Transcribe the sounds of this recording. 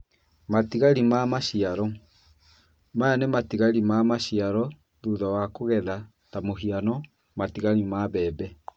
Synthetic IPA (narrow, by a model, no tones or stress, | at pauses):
matiɣaɾimamaɕiaɾɔ | majanematiɣaɾimamaɕiaɾɔ | ðuðawakoɣɛða | tamoɦianɔ | matiɣaɾimaβɛːbɛ